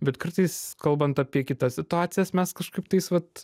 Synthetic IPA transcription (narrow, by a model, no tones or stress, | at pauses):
bʲɛt̪kɐrt̪ɐɪskɐlˠbɐnt̪ɑpʲiɛkʲɪt̪ɐsʲsʲɪt̪ʊaːt͡ssʲɪjɛsmʲɛskɐʃkɐɪpt̪ɐɪsʋɐt̪